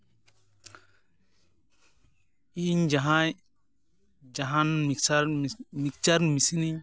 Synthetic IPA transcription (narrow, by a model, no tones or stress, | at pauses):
iɲd͡ʒaɦã | d͡ʒaɦãnmiksaɾmik̚t͡ʃaɾmisini